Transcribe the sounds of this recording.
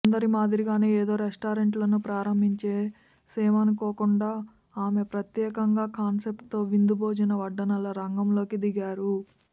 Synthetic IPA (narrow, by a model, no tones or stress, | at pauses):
nd̪ɐɾimaːd̪iɾiɡaːneːeːd̪o̞ːɾesʈaːɾeɳʈlɐnupɾaːɾɐmbʱiɲt͡ʃe̞ː | seːmɐnikɔːkuɳɖaː | aːme̞pɾɐt̪jɛːkɐŋɡaːkaːnsep̚ʈt̪o̞ːʋind̪ubʱoːd͡ʒɐnɐʋɐɖːɐnɐlɐɾɐŋɡɐmlo̞ːkid̪iɡaːɾu